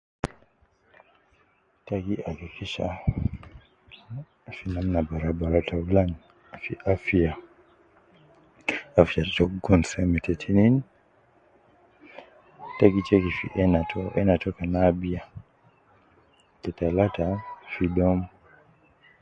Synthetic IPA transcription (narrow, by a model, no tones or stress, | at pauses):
takiakikiʃa̰ | finamnabaɾabaɾatalan | fiʔafia | afiattɔkɡɔnsɛmɛtɛtʰinin | taɡit͡ʃɛkifḭʔɛnatɔʔɛnatɔkanabia | tɛtalatafidɔm